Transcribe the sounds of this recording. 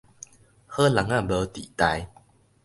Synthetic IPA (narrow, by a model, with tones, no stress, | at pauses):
hə˦la˨˩ŋã˥˨bə˧t̪ḭ˨t̪a˧j